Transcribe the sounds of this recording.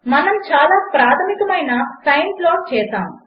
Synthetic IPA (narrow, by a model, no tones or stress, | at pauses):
mɐnɐmt͡ʃaːlaːpɾaːt̪ʰɐmikɐmɐjnɐsɐjnsloːt͡ʃɛːsaːm